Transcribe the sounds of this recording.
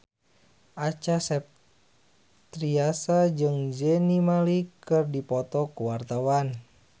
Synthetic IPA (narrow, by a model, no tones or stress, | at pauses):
ʔat͡ʃasɛp̚ | t̪ɾiasad͡ʒɨŋd͡ʒɛnimalikɨrdipɔt̪ɔkuwart̪awan